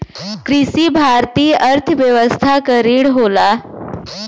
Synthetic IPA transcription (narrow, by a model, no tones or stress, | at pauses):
kɾisiːbʱaɾt̪iːəɾt̪ʰəʋjəʋəst̪ʰakəɾiːɽɦola